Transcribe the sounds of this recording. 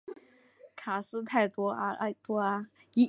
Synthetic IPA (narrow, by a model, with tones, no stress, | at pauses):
kʰa˨˩sɹ̩˥t̪ʰa˥˩ɪt̪wɔ˥˧˥t̪wɔ˥a˧i˧˥